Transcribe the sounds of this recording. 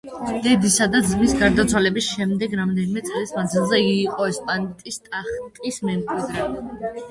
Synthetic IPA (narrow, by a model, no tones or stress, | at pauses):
d̪̥ɛd̪isad̪ad̪zmisɡaɾd̪at̪sʰwalɛbisʃɛmd̪ɛɡɾamd̪ɛnimɛt̪sʼlismand̪zilˠzɛiːqʼɔɛspʼant̪ʼist̪ʼaχt̪ʼismɛmkʼwid̪ɾɛ